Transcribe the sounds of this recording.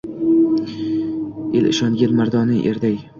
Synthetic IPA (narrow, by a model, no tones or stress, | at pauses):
elɪ̰ʃɒŋɡʲanmaɾd̪ɒnɪʔeɾd̪aj